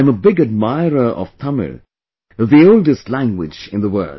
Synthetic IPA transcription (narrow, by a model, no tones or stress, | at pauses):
məbɪɡɨd̚maɪɹə˞ʔʌ̰v̥t̪ʰʌmə̰ɹ | ʌvðioʊldɨstˡlæ̃ŋɡwɪ̰d͡ʒɪ̃nðəwɜ̰˞l